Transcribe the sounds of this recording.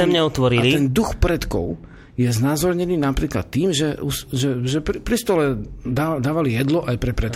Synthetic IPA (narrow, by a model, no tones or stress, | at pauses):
ɛmɲɛɔt̪ʋɔɾilit̪ɛnd̪uxpɾɛt̪kɔ̰ʊ | jɛznazɔɾɲɛniːnapɾiːkla̰t̪ːiːmʒɛusʒɛʒɛppɾist̪ɔlɛd̪aːd̪aːʋalijɛd̪lɔʔajpɾɛpɾɛt̪